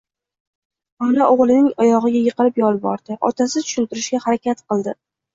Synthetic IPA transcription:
ɒlaʔoʁlˠɪnɪŋɒjɒʁɨɡʲajɨqʰɨlɪpjɒlˠbɒɾd̪̥ɪʔɒ̰t̪ʰasɪt̪ʰʊ̥ʃɪnt̪ɪɾɪʃɡʲahaɾakʲat̪qɨlˠd̪ɪ

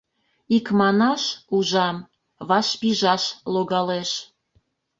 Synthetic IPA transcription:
ikmɑnɑʃuʒɑm | βɑʃpiʒɑʃloɣɑleʃ

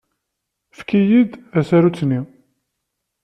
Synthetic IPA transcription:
fkijid̪æsæɾut͡sːni

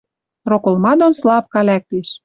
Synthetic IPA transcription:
rokŏlmɑd̪onslɑp̚kɑlæk̚t̪eʃ

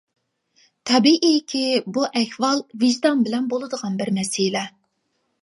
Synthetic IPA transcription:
t̪ʰɛbiʔiɪkʲʰibuʔɛhvɑlˠviʒd̪ɑnbɪlɛnbolˠɨd̪əʁɑnbɪɾmɛsilɛ

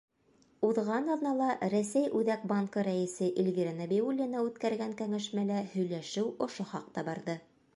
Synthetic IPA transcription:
uðʁɑnɑðnɑlˠɑɾæsæjʔʉðæk̚bɑŋkɤɾæɘ̆sɘʔilʲvʲiɾanobʲeulʲːinɑʉt̪kæɾɡæŋkæŋæʃmælæhɵ̆jlæʃɘwŏʃoχɑq̚t̪ɑbɑɾðɤ

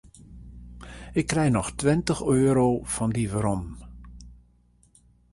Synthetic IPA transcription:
ɪkːrɛjnɔxtwɪntəxøːɾoːfɔndiʋəɾɔm

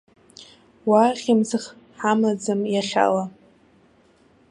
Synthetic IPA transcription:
waχʲɪmzɨχ | ħamad͡zɨmjaχʲa̰la

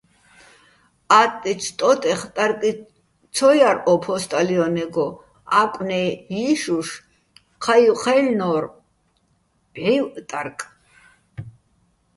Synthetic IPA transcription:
at̪ʼːit͡ʃʰt̪ʼɔt̪ʼɛχt̪ʼaɾkʼi | t͡sʰɔjaɾɔpʰɔst̪ʼaliɔnɛɡɔ | akʼnɛjiʃuʃ | qʰajuqʰɛlnɔɾ | b̥ɛjwt̪ʼaɾkʼ

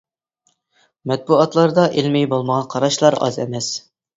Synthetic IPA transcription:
mɛt̪̚buɑt̪lˠɑɾd̪ɑʔelmɪjbolˠməʁɑqʰɑɾɑʃlˠɑɾɑ̰zɛ̰mɛs

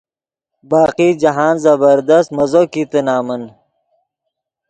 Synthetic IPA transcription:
baːqid͡ʑɐɦaːnzɐbɐɾd̪ɐst̪mɐzokit̪ənaːmɐn

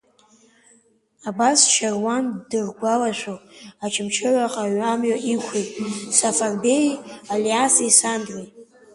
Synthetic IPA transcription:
abasʃarwandɨrɡʷalaʃʷoat͡ʃʰɪmt͡ʃʰɨʕʷaqʼaɥamɥaʔikʷʰejtʼsafarbejaliasisandrejtʼ

